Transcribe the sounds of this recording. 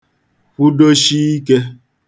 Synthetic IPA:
ɸu˦do˦ʃi˦i˦ke˦

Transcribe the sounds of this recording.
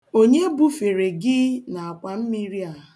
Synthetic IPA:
o˦ɲe˦bu˦fe˨ɾe˨ɡɪ˦na˨a˨kʷa˨m̩˦mi˦ɾi˦a˦˨

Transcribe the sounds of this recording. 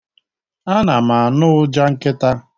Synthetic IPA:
a˦na˨ma˨a˨nʊ˦ʊ˦d͡ʒa˦ŋ̩˦kɪ˦ta˦

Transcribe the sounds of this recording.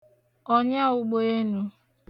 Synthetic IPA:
ɔ˦ɲa˦ʊ˦ɡ͡bo˦e˦nu˦

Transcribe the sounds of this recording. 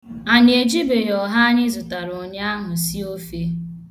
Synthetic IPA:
a˨nɪ˨e˨d͡ʒi˦be˨ɦɔ˨ɦa˦ɲɪ˦zʊ˨ta˨ɾo˨ɲa˦a˦ɦʊ˨si˦o˦fe˦

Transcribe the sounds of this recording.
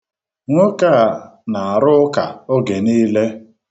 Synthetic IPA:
ŋʷo˦ka˦˨ | na˨a˨ɾʊ˦ka˨o˦ɡe˨niː˦le˦

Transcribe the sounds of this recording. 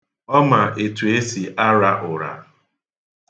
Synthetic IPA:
ɔ˦ma˨ʔe˨tu˨e˦si˨ʔa˦ɾa˦ʔʊ˨ɾa̰˨

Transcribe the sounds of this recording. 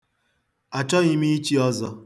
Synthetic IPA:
a˨t͡ʃɔ˦ɣɪ˦mi˦i˦t͡ʃi˦ɔ˦zɔ˦

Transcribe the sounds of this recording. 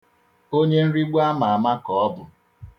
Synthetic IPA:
o˦ɲe˦n̩˦ɾi˦ɡ͡ba˦ma˨a˨ma˦kɔ˨ɔ˦bʊ˨

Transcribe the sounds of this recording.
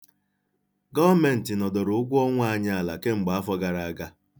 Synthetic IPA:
ɡɔ˦me˨n̩˨tɪ˨nɔ˨dɔ˨ɾʊ˨˦ʊ˦ɡʷʊ˦ɔ˦ŋʷ˦a˦˨˦ɲa˦a˨la̰˨ke˦ŋ͡m̩˨ɡ͡ba˨a˦fɔ˦ɡa˨ɾa˨a˨ɡa˦

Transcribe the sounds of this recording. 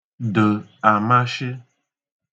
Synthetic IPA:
də˨a˨ma˦ʃɪ˦

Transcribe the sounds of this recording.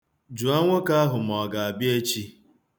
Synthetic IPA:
d͡ʒu˨a˦ŋʷo˦ka˦ɦʊ˨m˨ɔ˨ɡa˨a˨bje˦t͡ʃi˦

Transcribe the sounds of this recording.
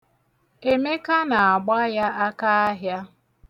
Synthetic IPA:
e˦me˦ka˦na˨a˨ɡ͡ba˦ja˦a˦ka˦a˦ɦja˦

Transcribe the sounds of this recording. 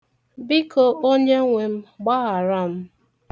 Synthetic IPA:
bi˦ko˨ʔo˦ɲe˦ŋʷe˨m̩˦ɡ͡ba˦ɣa˨ɾa˦m̩˦

